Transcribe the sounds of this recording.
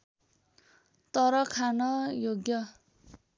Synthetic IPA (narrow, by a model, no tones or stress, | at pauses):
t̪ʌɾʌkʰanʌjoɡjʌ